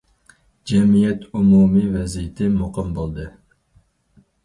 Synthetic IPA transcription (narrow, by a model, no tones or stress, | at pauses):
d͡ʒɛmijɛt̪umuːmivɛzijɪt̪ʰɪmʊqʰɨmbolˠd̪ɨ